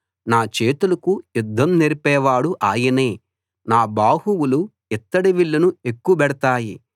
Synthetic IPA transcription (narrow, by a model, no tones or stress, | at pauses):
naːt͡ʃeːt̪ulɐkujud̪ʱːɐmneɾipɛːʋaːɽuʔaːjɐneː | naːbaːhuwulu | it̪ːɐɽiʋiɭːɐnuekːuɐbɛɽɐt̪aːji